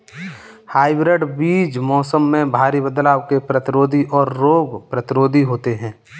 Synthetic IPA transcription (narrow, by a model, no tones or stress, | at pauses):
haːɪbɾeɖbiːd͡ʒmɔːsəmːẽbʱaːɾibəd̪laːwkepɾət̪ɪɾoːd̪ʱiʔɔːɾːoːɡpɾət̪ɪɾoːd̪ʱiɦoːt̪eɦɛ̃ː